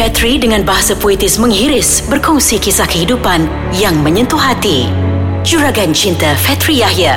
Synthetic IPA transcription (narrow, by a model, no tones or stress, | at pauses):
fɛt̪ɾidəŋãnbaɦasapoit̪ɪsmə̃ŋɦiɾɪs | bərkɔŋsikisahkəɦidupan | jaŋmə̃ɲə̃nt̪uhɦat̪i | t͡ʃuɾaɡant͡ʃint̪afɛt̪ɾijahja